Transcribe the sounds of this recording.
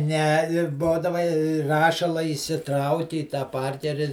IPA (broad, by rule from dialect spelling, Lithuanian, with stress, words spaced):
nʲɛ ɪ ˈboːdɐʋɐ ɪ ˈrɑːʃɐlˠɐ iːsʲɪˈtrɐʊkʲɪ iː tɑː ˈpɐrʲkʲɛrʲɪ